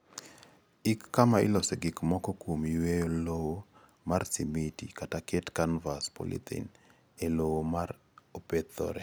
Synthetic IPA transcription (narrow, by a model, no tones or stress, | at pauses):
ɪkːamaɪ̰lɔsɛɡɪkmɔkɔkomiwejolowo | marsimitikatakɛtkanvaspɔ̰lḭt̪ʰḭn | elowomaɾ | opet̪ɔ̰ɾɛ